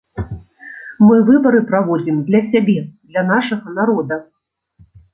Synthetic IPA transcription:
mɨvɨbɐɾɨpɾavɔd͡zʲimd̪lʲɐsʲabʲɛd̪lʲɐnaʂɐɣɐnaɾɔd̪ɐ

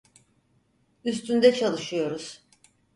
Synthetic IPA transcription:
ys̬t̪ʰynd̪ɛt͡ʃʰalˠɯʃɯjo̞ɾuz̥

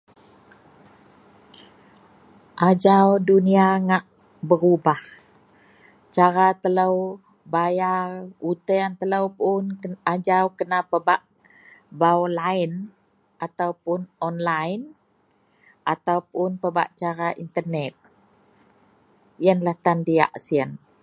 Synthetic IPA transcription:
ʔad͡ʒawduniaŋaʔ | bəɾubah | t͡ʃaɾat̪ələw | bajarut̪əant̪ələwpʊnad͡ʒawkənapəbaʔ | bawlain | ʔat̪awpʊnɔnlajn | ʔat̪awpʊnpəba̰ʔt͡ʃaɾaʔint̪ərnɛt̪̚ | jənlaht̪andia̰ʔsiən

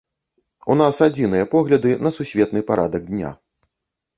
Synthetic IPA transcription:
unasad͡zʲinɨjɐpɔɣlʲɐd̪ɨnɐsusʲvʲɛt̪nɨpaɾʔa̰d̪ɐɡd̪ʲnʲa̰

